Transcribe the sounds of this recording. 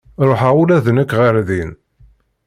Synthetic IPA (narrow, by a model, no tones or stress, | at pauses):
ɾˤoħaulæðnəkːʁəɾðin